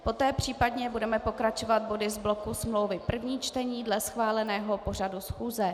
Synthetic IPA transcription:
po̞t̪ɛːpr̝̥iːpadɲɛbudɛmɛpo̞kɾat͡ʃo̞vat̪̚bo̞dɪzblo̞kusmlo̞wvɪpr̩vɲiːt͡ʃt̪ɛɲiːdlɛsxvaːlɛnɛːɦo̞po̞r̝adusxuːzɛ

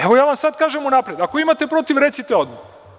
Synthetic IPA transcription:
eʋojaːʋamsad̪kaːʒemunapɾe̞d̪akoimat̪e̞pɾo̞t̪iʋɾet̪sit̪eod̪ma

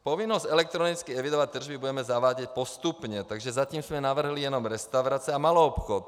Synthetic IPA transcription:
pɔʋinːɔzɟɛlɛk̚t̪ɾɔnit͡skiɛʋid̪ɔʋac̚t̪ːr̩ʒbibuɟɛmɛzaʋaːɟicpɔst̪upɲɛt̪aɡʒɛzat̪iːmzmɛnaʋr̩ɦlijɛnɔmɾɛst̪aʊɾaːt͡siɛamalɔɔpxɔt̪

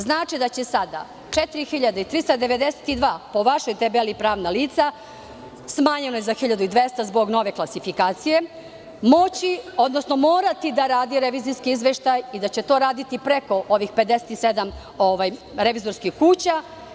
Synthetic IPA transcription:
znaːt͡ʃid̪at͡ɕesad̪a̰ | t͡ʂet̪iɾixiʎad̪ait̪ɾist̪ad̪e̞ʋe̞d̪ese̥t̪id̪ʋaːpo̞ʋaʃo̞jt̪ebelipɾaːʋnaliːt̪sa | smaːɲenojezaxiʎad̪uid̪ʋest̪azbo̞ɡno̞ʋe̞klˠasifikaːt̪sije̞ | mo̞t͡ɕio̞d̪no̞sno̞mo̞ːɾat̪id̪aɾaːd̪iɾeʋiːziskiizʋeʃt̪ajid̪at͡ɕe̞t̪o̞ːɾaːd̪it̪ipɾe̞ko̞ʔoʋixpe̞d̪ese̥t̪ised̪am | oʋajɾe̞ʋizoɾskixkuːt͡ɕa

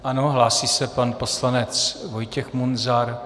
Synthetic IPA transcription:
ʔano̞ɦlaːsiːsɛpanpo̞slanɛt͡svojcɛxmunzaɾ

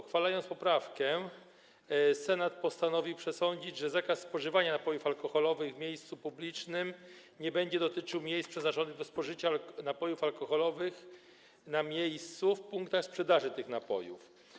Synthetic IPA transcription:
xfalajɔnt̪spɔpɾafkɛ | sɛnat̪̚pɔst̪anɔvʲiwpʂɛsɔɲd͡ʑid͡ʑʐɛzakasspɔʐɘvaɲanapɔjufalkɔxɔlɔvɘɣvmʲjejst̪supublʲit͡ʂnɘm | ɲɛbɛɲd͡ʑɛd̪ɔt̪ɘt͡ʂɘwmʲjejspʂɛznat͡ʂɔnɘɣd̪ɔspɔʐɘt͡ɕanapɔjufalkɔxɔlɔvɘx | namʲjejst̪sufpuŋkt̪axspʂɛd̪aʐɘt̪ɘxnapɔ̰jṵf

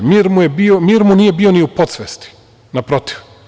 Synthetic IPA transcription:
miɾmujebiomiːɾmuniːje̞bioniupot̪sʋest̪i̥ | napɾo̞t̪i̥ʋ

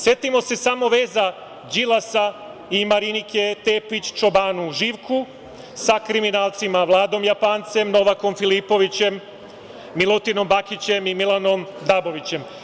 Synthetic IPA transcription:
sje̞t̪imo̞se̞samo̞ʋe̞ːza | d͡ʑilasa | imaɾinike̞t̪eːpit͡ɕt͡ʃo̞baːnuʒiʋkʰu | sakɾiminaːlt̪simaʋlˠaːd̪o̞mjapaːnt̪se̞mno̞ʋako̞mfilipo̞ʋit͡ɕe̞mː | ilˠut̪ino̞mbakit͡ɕe̞mimilˠano̞md̪abo̞ʋit͡ɕe̞m

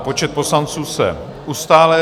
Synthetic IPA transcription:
po̞t͡ʃɛt̪̚po̞slant͡suːsɛ̰ | ʔust̪aːlɛ

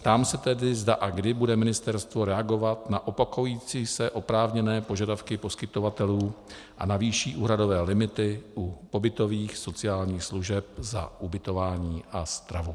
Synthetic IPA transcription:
t̪aːmsɛt̪ɛdɪzdaʔaɡdɪbudɛmɪnɪst̪ɛɾst̪vo̞ɾɛaɡo̞vat̪naʔopakojiːt͡siːsɛʔo̞pɾaːvɲɛnɛːpo̞ʒadafkɪpo̞skɪt̪o̞vat̪ɛluː | ʔa̰naviːʃiːʔuːɦɾado̞vɛːlɪmɪt̪ɪʔupo̞bɪt̪o̞viːxso̞t͡sɪaːlɲiːxsluʒɛpza̰ʔubɪt̪o̞vaːɲiːʔast̪ɾavu

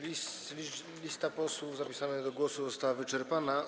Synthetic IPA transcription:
islʲi | lʲist̪apɔswuvzapʲisanɘɣd̪ɔɡwɔsuzɔst̪awavɘt͡ʂɛɾpana

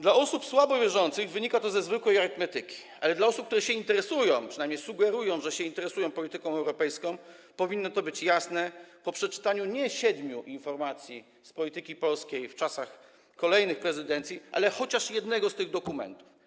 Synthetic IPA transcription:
d̪laɔsupswabɔvʲjɛʐɔnt̪sɘɣvɘɲikat̪ɔzɛzvɘkwɛjaɾɨt̪mɛt̪ɘkʲi̥ʔa̰lɛd̪laɔsupk̚t̪uɾɛɕɛint̪ɛɾɛsujɔ̃w̃pʂɨnajmɲejsuɡɛɾujɔ̃w̃ʐɛɕɛint̪ɛɾɛsujɔ̃w̃pɔlʲit̪ɘkɔ̃w̃ɛwɾɔpɛjskɔ̃w̃ | pɔvʲinːɔt̪ɔbɘt͡ɕjasnɛpɔpʂɛt͡ʂɘ̥t̪aɲuɲɛɕɛd̪mʲjuʔinfɔɾmat̪sʲji | spɔlʲit̪ɘkʲipɔlskʲejft͡ʂasax | kɔlɛjnɘxpɾɛzɘd̪ɛnt̪sʲjiʔa̰lɛxɔt͡ɕaʂjɛd̪nɛɡɔst̪ɘɣd̪ɔkumɛ̰nt̪u̥f

